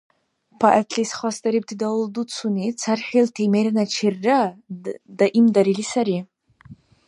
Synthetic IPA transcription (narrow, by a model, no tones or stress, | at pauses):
pʰaʔatʰʼisχʷastʼaɾip̚tʰidawldut͡sʰunit͡sʰarχʲiltʰejmeɾanat͡ʃʰirːa | daʔimdaɾilisaɾi